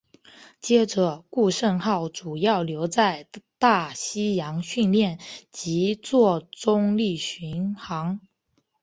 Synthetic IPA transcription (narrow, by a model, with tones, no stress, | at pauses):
t͡ɕjɛ˥ʈ͡ʂɤ˨˩ku˥˧ʂə˥˧nxɑ˥˩ʊʈ͡ʂu˨˩jɑ˥˩ʊljo˧˥ʊt͡sa˥˧ɪt̪a˥˩ɕi˥jɑ˧˥ŋɕy˥˧nljɛ˥˩nt͡ɕi˧˥t͡swɔ˥˩ʈ͡ʂʊ˥ŋli˥˩ɕy˧˥nxɑ˧˥ŋ